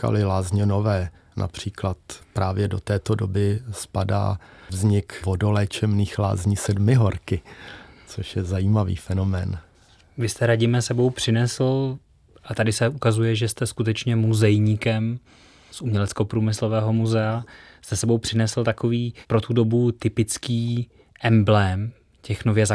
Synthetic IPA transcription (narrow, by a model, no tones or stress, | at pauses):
ka̰lɪlaːzɲɛno̞vɛː | nʔa̰pr̝̥iːklat̪pɾʔaːvjɛdo̞t̪ɛːt̪odobɪspada̰ːvzɲɪkvodolɛt͡ʃɛmniːxla̰ːzɲisɛdmɪɦoɾkɪt͡soʃjɛzajiːmavḭːfɛnomɛːn | vɪst̪ɛɾaɟɪmɛsɛbo̞wpr̥ɪnɛsl̩ | ʔat̪adɪsɛukazujɛʒɛst̪ɛskut̪ɛt͡ʃɲɛmuzɛjɲikɛm | sʔumɲɛlɛt͡sko̞pɾuːmɪslovɛːɦo̞muzɛast̪ɛsɛbowpr̝̥ɪnɛsl̩t̪ako̞viːpɾo̞t̪udo̞but̪ɪpɪt͡skiː | ʔɛmblɛm | cɛxnovjɛza